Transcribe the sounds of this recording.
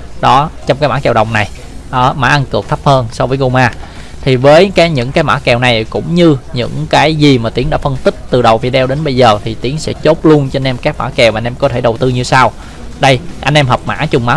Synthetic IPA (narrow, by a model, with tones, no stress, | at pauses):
ɗɔ˨˦t͡ɕɔ˧wŋ͡mkaː˨˦jmaː˧˥˦kɛ˨˩wɗə˨˩wŋ͡mna˨˩j | ʔə˨˦maː˨˦ʔa˧nkɨ˨˩k̪̚ʰp̚həː˧nsɔ˧vəː˨˦jɣo˧wmaː˧ | t̪ʰi˨˩vəː˨˦jkaː˨˦jɲɨ̰˧˥ŋkaː˨˦jmaː˧˥kɛ˨˩wna˨˩jkʊ̰˧˥ŋ͡mɲɨ˧ɲɨ̰˧˥ŋkaː˨˦jzi˨˩maː˨˩t̪i˨˦əŋɗa̰ː˧˥fə˧nt̪ï˦˥k̚t̪ɨ˨˩ɗə˨˩wvi˧˩ɗɛ˧wɗe˨˦nɓə˧jzəː˨˩t̪ʰi˨˩t̪i˨˦əŋsɛ̰˧˥t͡ɕo˦˥t̚lu˧ənt͡ɕe˧nʔɛ˧mkaː˦˥k̚ma̰ː˧˥kɛ˨˩waː˨˧nʔɛ˧mkɔ˨˦t̪ʰe˧˩ɗə˨˩wt̪ɨ˧ɲɨ˧saː˧w | ɗə˧jʔa̰˧jnʔɛ˧mɦəː˨˩p̚ma̰ː˧˥t͡ɕʊ˨˩ŋ͡mmaː˨˦